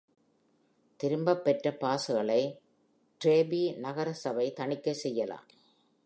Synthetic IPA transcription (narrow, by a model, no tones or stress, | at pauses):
t̪ɪɾɯmbɐpːɛʈrɐpaːsɯɣɐɭɐɪ | ʈɾeːbinɐɣɐɾɐsɐʋɐɪt̪ɐɳɪkːɐsɛjːɐla̰ːm